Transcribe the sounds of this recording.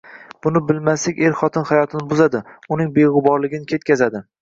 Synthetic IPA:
b̥ʊnɪbɪlmaslɪkʲe̞ɾχɒt̪ʰɪnχajɒt̪ʰɪnɪbʊzad̪ɪʊnɪŋbeʁɨbɒɾlɪɡʲɪnɪkʲʰe̞t̪̚kʲʰazad̪ɪ

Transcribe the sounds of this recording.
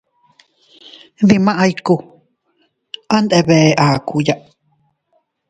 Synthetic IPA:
ðimãʔajku | ʔand̪eβeʔakujaʔ

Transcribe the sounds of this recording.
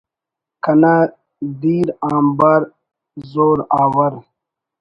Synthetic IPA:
kɐna | d̪iːɾaːmbaːɾ | zoːɾaːwɐɾ

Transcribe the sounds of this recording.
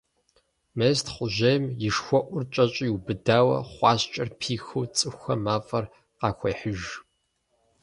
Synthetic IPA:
meztχʷʊʒɐjmjɪʂxʷɔʔʷʊrt͡ʃʼɐt͡ʃʼiubɨdaːwɐ̰χʷɑːɕt͡ʃʼɐrpʰiːxuwt͡sʼɨxʷɐmaːfʼɐr | qɑːxʷɐjħʊʒ

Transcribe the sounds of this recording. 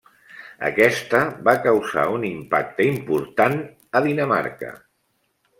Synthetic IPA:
ə̰kɛst̪əβakəwza̰unimpa̰k̚t̪əimpuɾt̪an | əðinəma̰ɾkə̰

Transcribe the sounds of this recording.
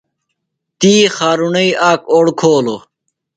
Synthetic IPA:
t̪iːxaːɾunɐiaːkoɽkʰoːlo

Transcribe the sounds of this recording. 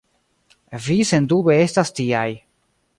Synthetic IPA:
vise̞ndube̞e̞stastiaj

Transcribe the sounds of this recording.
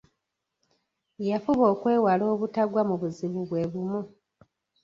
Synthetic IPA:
jafuβo̞ːkwe̞ːwalo̞ːβutaɡwamuβuziβuβwe̞ːβumu

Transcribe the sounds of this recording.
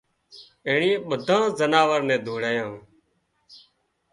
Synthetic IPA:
eːɳiːɓəd̪ʱãːzənaːʋəɾnɛ̃ːd̪ʱuːɽaːjãː

